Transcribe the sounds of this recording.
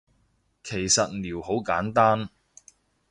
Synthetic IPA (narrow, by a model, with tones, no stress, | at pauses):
kʰe˨˩jsɐ˨t̚liː˨˩who˨˥wkaː˨˥nt̪aː˥n